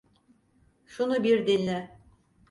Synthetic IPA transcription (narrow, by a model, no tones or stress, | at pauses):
ʃunubiɾd̪ilʲnɪ